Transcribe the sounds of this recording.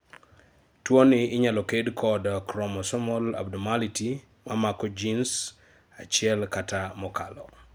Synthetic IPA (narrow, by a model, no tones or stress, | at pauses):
twoniːɲalɔkedkʰɔdkɾɔmɔsɔmɔla̰bdɔmaliti | mamakɔd͡ʒins | at͡ʃɪɛlkatamɔka̰lɔ